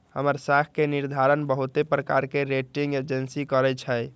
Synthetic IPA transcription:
həməɾsakʰkeniɾd̪ʱaɾənbəɦut̪epɾəkaɾkeɾeʈiŋɡed͡ʒənsikəɾɛt͡ʃʰə

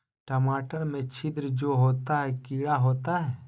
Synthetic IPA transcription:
ʈɐmaːʈəɾmẽt͡ʃʰɪd̪ɾd͡ʒoːɦoːt̪aɦɛkiːɽaɦoːt̪aɦɛː

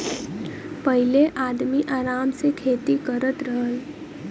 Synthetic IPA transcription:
pəɦɪleʔaːd̪miʔaːɾaːmsekʰeːt̪ikəɾət̪ɾəɦəl

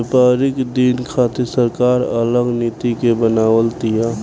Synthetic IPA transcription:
paːɾɪkd̪inkʰaːt̪esəɾkaːɾə̰ləɡniːt̪ikebənaːwəlt̪ia

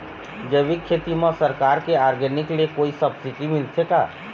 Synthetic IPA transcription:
d͡ʒəʋikʰeːt̪imãsəɾkaːɾkeaːɾɡənɪkliekoːisɐbsɪʈimɪlt̪ʰeka̰ː

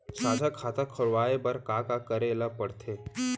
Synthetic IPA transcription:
saːd͡ʒakʰaːt̪akʰəɾʋaːebɐɾkaːkakəɾeːlapəɽt̪ʰe

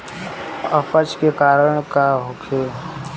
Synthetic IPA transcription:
əpət͡ʃkekaːɾəɽ̃kaɦokʰeː

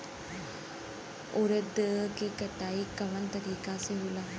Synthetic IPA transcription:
uɾəd̪əkekɐʈ̪aːikːɐʋənt̪ɐɾiːkaːseɦula

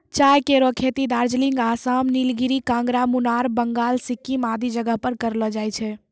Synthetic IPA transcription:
t͡ʃajkeɾɔkʰet̪id̪aɾd͡ʒliŋɡasamnilɡiɾikãŋɡɾamunaɾbəŋɡaːlsikːimad̪id͡ʒəɡəɦpəɾkəɾlɔd͡ʒajt͡ʃʰɛ

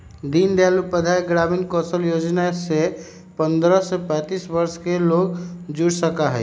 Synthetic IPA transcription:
d̪ind̪jalupəd̪ʱajɡɾaminkɔsəljod͡ʒnase | pənd̪ɾəsepɛ̃t̪isbəɾskeloɡd͡ʒuɽsəkaɦɛ

